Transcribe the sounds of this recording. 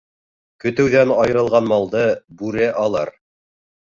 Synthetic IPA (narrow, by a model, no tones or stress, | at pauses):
kɵ̆t̪ɘ̆wðænɑjɤ̆ɾɤ̆lˠʁɑnmɑlˠd̪ɤbʉɾɘʔɑlˠɑ̰ɾ